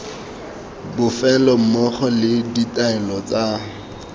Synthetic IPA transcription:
bʊfɛlɔm̩mɔχɔlɪditaɛlɔt͡sʼa

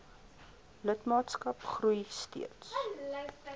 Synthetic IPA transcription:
lətmɑːtskɐpχrujstḭəts

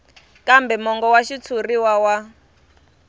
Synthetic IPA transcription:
kambɛmɔŋɡɔwaʃit͡sʰuriwawa

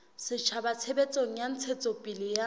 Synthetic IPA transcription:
sɪt͡ʃʰabat͡sʰebet͡sʼoŋ̩jan̩t͡sʰet͡sʼopʼilɪja

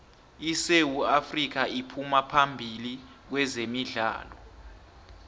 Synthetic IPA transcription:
isewuafrik̬ʰaipʰumapʰambʱili | k̬wɛzemiɮa̰ːlɔ

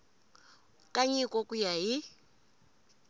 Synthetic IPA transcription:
kʼaɲikʼɔkʼujaɦi

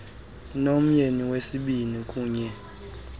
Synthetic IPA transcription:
nom̩ɲeniwesiɓinikʼuːɲɛ

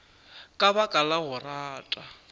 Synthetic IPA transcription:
kʼaβakʼalaɣʊraːtʼa

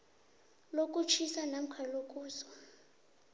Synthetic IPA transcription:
lok̬ʼut͡ʃʰisanam̩kʰalok̬ʼuːzɔ̥

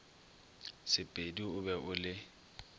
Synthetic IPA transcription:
sɪpʼediʊbɛʔʊlɪ

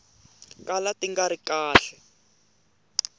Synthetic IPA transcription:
kalatiŋɡaɾikaːɬɛ

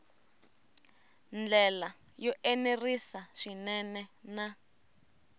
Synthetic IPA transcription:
nd͡ɮɛla | jɔʔenerisaʂinɛnɛna

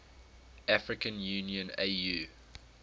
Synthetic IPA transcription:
ʔafɹɪkə̃njʉːniə̃nejuː

